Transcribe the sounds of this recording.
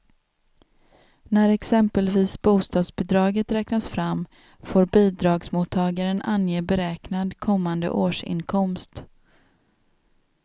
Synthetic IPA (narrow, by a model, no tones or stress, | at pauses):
næɾɛksɛmpəlviːsbuːst̪ɑːd̪sbɪd̪ɾɑːɡət̪ɾɛːknasfɾam | foːɾbiːd̪ɾɑːɡsmʊt̪ʰːɑːɡaɾənʔanjeːbɛɾɛːknad̪kʰɔmːand̪ə̰ʔoːʂɪ̰nkʰɔmst̪